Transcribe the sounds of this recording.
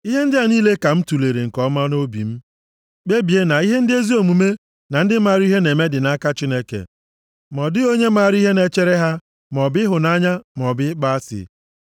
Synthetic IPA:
i˦ɦe˦n̩˦dɪ˦a˨niː˦le˦ka˨m̩˦tu˨le˨ɾe˨ŋ̩˨kɔ˦ma˦no˦bḭ˨m̩˦ | k͡pe˦bi˨e˦na˨i˦ɦe˦n̩˦dɪ˦e˦zi˦o˨mu˨me˦ | na˨n̩˦dɪ˦ma˨ɾi˦ɦe˦ne˨me˦dɪ˨na˦ka˦t͡ʃi˦ne˦kḛ˨ | mɔ˨dɪ˦o˦ɲe˦ma˨ɾi˦ɦe˦ne˨t͡ʃe˦ɾe˦ɦa˦ | m˨ɔ˨bɪ˦ɦʊ˨na˦ɲa˦m˨ɔ˨bɪ˦k͡pa˦sɪ̰˨

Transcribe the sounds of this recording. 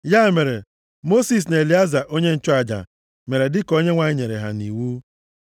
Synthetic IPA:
ja˦˨me˨ɾe˨ | mo˦si˨s̬n˨e˨li˨˦a˦za˨ʔo˦ɲe˦n̩˦t͡ʃɔ˦a˨d͡ʒa̰˨ | me˨ɾe˨dɪ˦ko˦ɲe˦ŋʷa˨ɲɪ˦ɲe˨ɾḛ˨ɦa̰˨nḭ˨wu˦

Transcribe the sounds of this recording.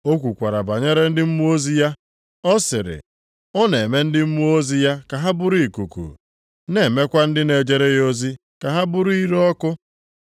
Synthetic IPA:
o˦kʷu˨kʷa˨ɾa˨ba˨ɲe˦ɾe˦n̩˦dɪ˦m̩˦mu˦o˦zi˦ja˦ | ɔ˦sɪ˨ɾɪ̰˨ | ɔ˦ne˨me˦n̩˦dɪ˦m̩˦mu˦o˦zi˦ja˦ka˨ɦa˦bʊ˦ɾu˦i˨ku˨kṵ˨ | ne˨me˦kʷa˦n̩˦dɪ˦ne˨d͡ʒe˦ɾe˦jo˦zi˦ | ka˨ɦa˦bʊ˦ɾu˦i˦ɾɔ˦kʊ˦

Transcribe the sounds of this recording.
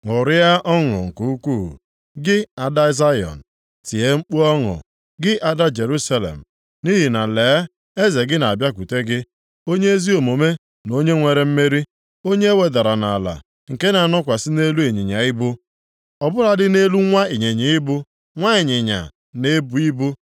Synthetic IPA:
ŋʊ˨ɾɪ˦a˦ʔɔ˦ŋʊ̰˨ŋ̩˨ku˦kʷṵ˦˨ | ɡɪ˦a˨da˦za˦jɔ̰˨n̩˨ | ti˨ɦe˦ŋ͡m̩˦k͡pu˦ɔ˦ŋʊ̰˨ | ɡɪ˦ʔa˦da˦d͡ʒe˨ɾu˦sa˦lḛ˨m̩˨ | ni˦ɦi˨na˨leː˨˦ | e˦ze˨ɡɪ˦na˨a˨bja˦ku˨te˦ɡɪ˦ | o˦ɲe˦e˦zi˦o˨mo˨me˦ | no˦ɲe˦ŋʷe˨ɾe˨m̩˦me˦ɾi˦ | o˦ɲe˦e˦we˨da˨ɾa˨na˨a˨la̰˨ | ŋ̩˨ke˦na˨nɔ˦kʷa˨sɪ˦ne˦lu˦e˨ɲi˨ɲa˨ɪ˦bʊ˦ | ɔ˨bʊ˦ɾa˨dɪ˦ne˦lu˦ŋʷa˦e˨ɲe˨ɲi˨˦ɪ˦bʊ˦ | ŋʷa˦e˨ɲɪ˨ɲa̰˨ | ne˦bu˨i˦bu˦

